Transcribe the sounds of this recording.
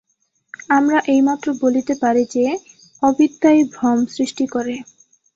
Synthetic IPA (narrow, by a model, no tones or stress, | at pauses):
amɾaʔejmat̪ːɾobolit̪epaɾid͡ʑe | ɔbid̪ːajbʱɾɔmsɾiʃʈikoɾe